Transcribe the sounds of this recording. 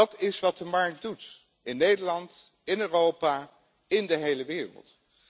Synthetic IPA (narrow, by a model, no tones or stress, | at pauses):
ɑtɪsʋɑt̚dəmɑɹk̚dut | ɪnːejdəɹlɑnt | ɪnøːrowpaː | ɪndəɦejləʋɪːrə̰lˠt